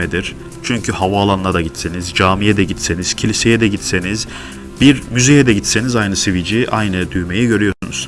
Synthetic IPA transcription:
ed̪iɾ̥ | t͡ʃʰyɲcʰyhavaːlˠanːad̪aɟit̪senizd͡ʒaːmijɛd̪ɛɟit̪seniz̥cʰilʲisejɛd̪ɛɟit̪seniz | biɾmyzejɛd̪ɛɟit̪senizajnɯsivid͡ʒiʔajnɯd̪yjme̞jiɟø̞ɾyjo̞ɾsunṵz̥

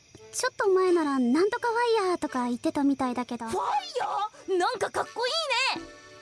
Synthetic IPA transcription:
t͡ɕo̞t̪ːoːmae̞naɾanãnt̪o̞kaβaiːat̪o̞kait̪ːe̞t̪amʲit̪aid̪ake̞d̪o̞aijanãŋkakakːo̞iːne

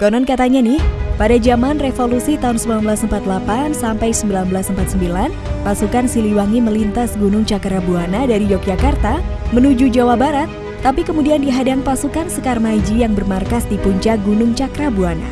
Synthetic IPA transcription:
kaunankat̪aɲanɪhpadad͡ʒamanrefolusit̪aɦunsəmbilanbəlasəmpat̪lapansampajsəmbilanbəlasəmpat̪̚səmbilan | pasukansiliwaŋiməlint̪asɡunʊŋt͡ʃakɾabuanadaɾid͡ʒok̚d͡ʒakart̪amənud͡ʒud͡ʒawahbaɾat̪̚ː | apikəmudiandiɦadaŋpasukansəkarmad͡ʒijaŋbərmarkasdipuɲt͡ʃaɡunʊŋt͡ʃakɾabuana̰

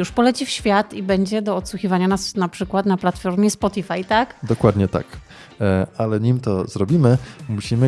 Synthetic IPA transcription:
juʂpɔlɛt͡ɕifɕfʲjat̪ibɛɲd͡ʑɛd̪ɔːt̪swuxʲivaɲanasnapʂɘkwat̪naplat̪fɔɾmʲjɛspɔt̪ifajt̪akd̪ɔkwad̪ɲɛt̪a̰k | alɛɲimt̪ɔzɾɔbʲimɘmuɕimɘ

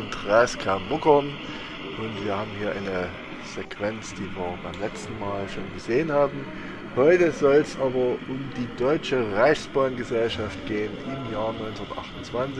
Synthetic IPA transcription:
ʊntʁɛːskʰɛɐnlʊkɐn | ʔʊntv̥iːɐhaːbm̩hiːɐʔa̰ɪnə | z̥ekv̥ɛnt͡sd̥iːviːɐbaɪmlɛt͡stn̩maːlʃoːnɡəzeːənhaːbm̩ | hɔʏtəzɔlsʔaːbɐʔʊmdiːdɔʏt͡ʃəʁaɪçsb̥aːnɡəzɛlʃaftɡ̥eːənʔɪmjaːɐnɔʏnt͡snɐtʔa̰χtʊnt͡sv̥ant͡sɪ

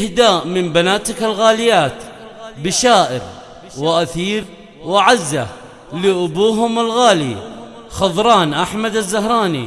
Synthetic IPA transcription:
hd̪aːʔmɪmbanaːt̪ɪkalɣaːlɪjːaːt̪ | bɪʃaːʔɪɾ | wɪʔaθiːɾ | wɪʕazːa̰ | lɪʔʊbuːɦʊmɪlɣaːli | xɑðˤɾˤɑːnʔaħmad̪azːaɦɾˤɑːnḭ

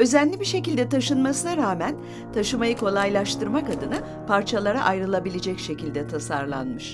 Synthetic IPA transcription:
ø̞zɛnʲlʲibiʃe̞cilʲd̪ɛt̪ʰaʃɯnmasɯnaɾaːmæn | t̪ʰaʃɯmajɯkʰo̞lˠajlˠaʃt̪ʰɯɾmakad̪ɯna | pʰaɾt͡ʃʰalˠaɾaʔajɾɯlˠabilʲed͡ʒɛcʃe̞cilʲd̪ɛt̪ʰasaɾlˠa̰nmɯʃ

